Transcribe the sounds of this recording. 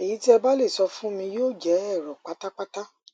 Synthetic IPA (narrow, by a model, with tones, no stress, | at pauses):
e˨ji˨˦ti˦ɛ˧ba˦le˦˨sɔ˧fũ˦mĩ˧joː˦˨d͡ʒɛ˨˦ɛ˦˨ɾɔ˨k͡pa˦ta˦k͡pa˦ta˦